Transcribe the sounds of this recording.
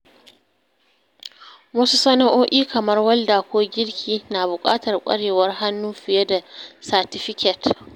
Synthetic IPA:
wɐ˦su˦sɐ˦na˦ʔoː˦ʔʲiː˦kɐ˨mɐ˦rwɐ˦lda˨kʷoː˦ɡʲɪ˦ɽkʲʰiː˦naː˨bʊ˨kʼa̰ː˦tɐ˨rkʷʼɐ̰˦ɽeː˨wɐ˦rɦa˦nːuː˦ɸɪ˨je˦da˨sa˨tɪ˦ɸɪ˦kʲɛ˨t

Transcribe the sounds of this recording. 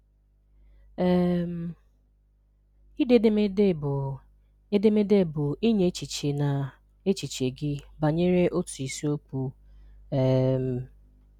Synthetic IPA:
ɛ˦m˦ | i˦de˦de˦me˦˨ | e˦de˦me˦de˦˨bʊ˨i˦ɲe˦t͡ʃi˨t͡ʃe˨na˨ | e˦t͡ʃi˨t͡ʃe˨ɡɪ˦ba˨ɲe˦ɾe˦ʔo˦tu˨i˨si˦o˦k͡pu˦ | e˦m̩˨

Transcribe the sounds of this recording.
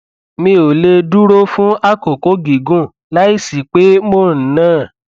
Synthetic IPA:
mĩ˧o˨le˧du˦ɾo˦fũ˦a˦ko˨ko˨˦ɡi˨ɡũ˦˨ | la˦i˦˨si˨k͡pe˨˦mo˦˨n̩˨nãː˦˨

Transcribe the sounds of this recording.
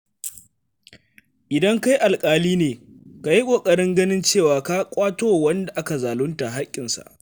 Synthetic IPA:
ʔɪ˨dɐ˦ŋka˦jʔa˨lkʼaː˦liː˦neː˨ | ka˨ji˦kʷʼoː˨kʼɐ˨ɽɪ˦ŋɡɐ˦nɪ˦nt͡ʃeː˦˨waː˨ka˦kʷʼaː˦toː˦˨wɐ˦nda˨ʔa˦ka˨zaː˨lʊ˦nta˨ɦa˦kʲʼːɪ˨nsa̰˨ʔ

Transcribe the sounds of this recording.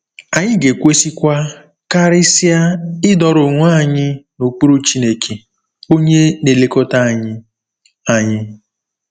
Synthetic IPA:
a˨ɲɪ˦ɡe˨kʷe˦si˦kʷa˦ | ka˦ɾɪ˦sɪ˦a˦ɪ˦dɔ˨ɾo˨ŋʷ˦a˦˨ɲɪ˦no˨k͡pu˦ɾu˦t͡ʃi˦ne˨kʰe˨ | o˦ɲe˦ne˨le˨kɔ˦ta˦˨ɲɪ˦ | a˨ɲɪ˦

